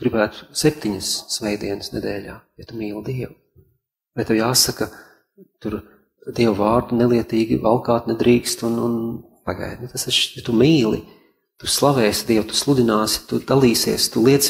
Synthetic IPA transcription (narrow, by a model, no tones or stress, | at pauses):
ɡ̥ɾibæːt̪u̥sɛp̚ʲt̪iɲəsːvɛjd̪iɛnəsnɛd̪ɛːlʲaːjat̪umiːlˠd̪iɛw | baɛt̪ewjaːsakɐ | t̪uɾ | d̪iɛwvaːɾd̪unɛlˠiɛt̪iːɡḭvalˠkaːt̪nɛd̪ɾiːkst̪unun | paɡa̰jd̪ʲnt̪asaʃjat̪umiːlˠḭ | t̪uslˠavɛːsd̪iɛwt̪u̥slˠud̪ʲinaːsɪ̥t̪ud̪alˠiːsiɛst̪ulˠiɛt̪s